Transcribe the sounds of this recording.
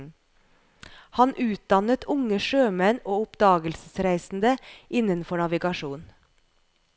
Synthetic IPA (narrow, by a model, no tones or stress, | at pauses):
hɑnʔʉːt̪̚d̪ɑnət̪ʰʊŋəʃøːmɛnoːʊpd̪ɑːɡəlsəsɾæɪsn̩d̪əʔɪnənfɔɳɑʋɪɡɑʃuːn